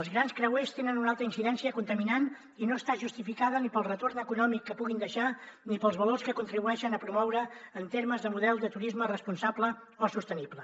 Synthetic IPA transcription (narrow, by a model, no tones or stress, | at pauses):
əlˠzɣɾanskɾəwest̪enənunalˠt̪ɾəinsiðɛnsiəkunt̪əminan | inoəst̪aʒust̪ifikaðənipəlˠrət̪ornəkunɔmikːəpuɣind̪əʃanipəlˠzβəlorskəkunt̪ɾiβuɛʃənəpɾumɔwɾəːnt̪eɾməzðəmuðɛlˠd̪ət̪uɾizmərəspunsablə | osust̪əniblə